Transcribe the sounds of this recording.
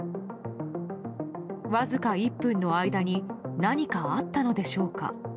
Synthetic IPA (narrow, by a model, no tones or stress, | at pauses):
βazɨkaipːɯ̟̃nːo̞aid̪aɲ̟inaɲ̟ikaat̪ːano̞d̪e̞ɕo̞ːka̰